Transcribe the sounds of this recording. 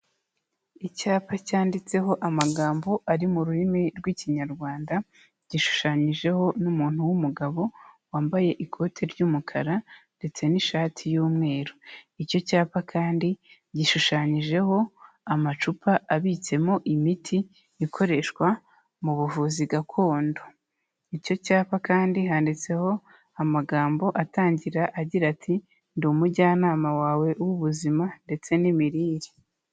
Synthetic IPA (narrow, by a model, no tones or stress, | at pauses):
icaːpacaːndit͡se̞ho̞ʔamaɡaːmbo̞ʔaɾimuɾuɾimiɾɡwiːciɲaɾɡwaːnda | ɟ̥iʃu̥ʃaːɲiʒe̞ho̞numuːn̥huwumuɡaβo̞waːmbaje̞ʔikʰo̞ːtʰe̞ɾɟuːmukʰaɾande̞t͡se̞niʃaːtʰijuːmŋe̞ːɾoico̞caːpakʰaːndi | ɟiʃuʃaːɲiʒe̞ho̞ | amat͡ʃupʰaʔaβit͡se̞mo̞ʔimitʰi | ikʰo̞ɾe̞ʃwa | muβuvuːziɡakʰo̞ːndo | ico̞caːpakaːndiɦaːndit͡se̞ho̞ | amaɡaːmbo̞ʔataːɲɟiɾaʔaɟiɾatʰi | nduːmuɟanaːmawaːwe̞ʔuwuβuzimande̞t͡se̞nimiɾiːɾi̥